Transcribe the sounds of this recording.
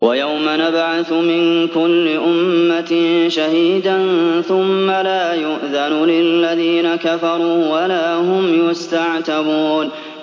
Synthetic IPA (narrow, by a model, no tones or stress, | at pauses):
wajawmanabʕaθmɪnkʊlːɪʔʊmmːaʃahiːd̪anθʊmːalaːjʊʔðanulɪlːaðiːnakafɑɾˤuːwalaːhʊmjʊst̪aʕt̪abuːn